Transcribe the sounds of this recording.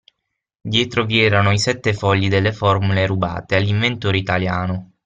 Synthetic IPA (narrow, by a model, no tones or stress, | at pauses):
d̪jɛːt̪ɾoviɛːɾanoisɛt̪ːefɔʎːid̪elːefɔrmuleɾuba̰ːt̪ealːiɱvent̪oːɾeit̪aljaːno